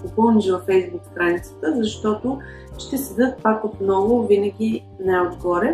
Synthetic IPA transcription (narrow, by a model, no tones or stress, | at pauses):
opɤlˠniʃvɐfɛjzbukst̪ɾanit̪sə̥t̪əzɐʃt̪ɔt̪o | ʃt̪ɛsɛd̪ɤt̪̚pakot̪nɔvʊvinəɡʲi | nɛod̪ɡɔɾɛ